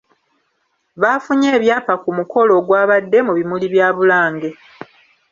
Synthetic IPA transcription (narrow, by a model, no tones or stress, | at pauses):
βaːfuɲe̞ːβjaːpakumuko̞lo̞ːɡwaːβadːe̞muβimuliβjaːβulaːŋɡe̞